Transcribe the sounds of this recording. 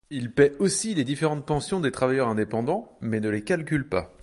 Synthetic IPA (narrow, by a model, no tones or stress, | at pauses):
ilpɛosiled̪ifeʁɑ̃t̪̚pɑ̃sjɔ̃d̪et̪χavajœʁɛ̃d̪epɑ̃d̪ɑ̃mɛnəlekalk̬ʲylpa